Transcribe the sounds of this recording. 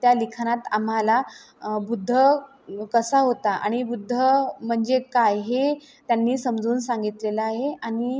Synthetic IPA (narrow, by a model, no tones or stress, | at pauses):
t̪jalikʰanat̪am̤ala | bud̪ʱːə | kəsaɦot̪aʔa̰ɽ̃ibud̪ʱːəm̤əɳd͡zekajɦe | t̪janːiːsəmd͡zuːnsãŋɡit̪leləaɦeaɽ̃i